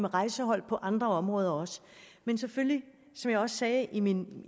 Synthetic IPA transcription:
meʁɑ̈ɪsəɦɒ̽l̰pʰɒ̽ʔɑ̈nd̥ʁɐɒ̽mʁɔ̽ːð̞ˠɐɒ̽smensefølli | sɒ̽mjɑ̈ɪɒ̽ssɛːʔimin

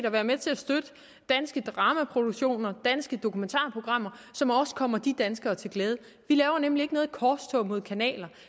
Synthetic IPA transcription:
ɾɐʋæːɐmet͡sʰe̝æsd̥ød̥ə | d̥ænsɡ̥əd̥ʁɑ̈ːmæpʰʁo̝d̥uɡ̥ɕo̝̰ːnɐd̥ænsɡ̥əd̥o̝kʰument͡sʰɑ̰̈ːpʰo̝ɡ̥ʁɑ̈m̰ɐsɒ̽mɒ̽sə̥kʰɒ̽m̰ɐd̥id̥ænsɡ̥ɐːt͡sʰe̝lɡ̥lɛːð̞ˠə | ʋilɛːʊɐnemlieɡənɔ̽ːð̩ˠkʰɒst͡sʰɔmo̝ð̞̰ˠkʰænɛ̰ːlɐ

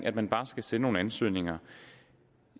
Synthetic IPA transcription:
ŋʔæd̥̚mænb̥ɑ̈ːsɡ̥æse̝ːno̝ːnænsø̰ːne̝ŋɐ

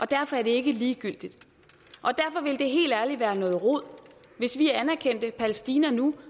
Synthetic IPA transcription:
ʔɒ̽d̥æɐfɒ̽æɐd̥e̝e̝ɡ̥əliːɡ̥yl̰d̥id̥ | ʔɒ̽d̥æɐfɒ̽ʋe̝ld̥e̝ɦe̝̰ːld̥æɐliʋæːɐnɔ̽ːð̩ˠʁoð̰ˠ | ʋe̝sʋiæænæɐkʰen̰d̥əpʰæləsd̥iːnɐnu

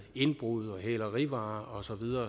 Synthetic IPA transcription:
e̝nb̥ʁuð̩ˠɒ̽ɦɛːlɐʁiʋɑ̈ːɒ̽sɒ̽ʋiðˠɐː

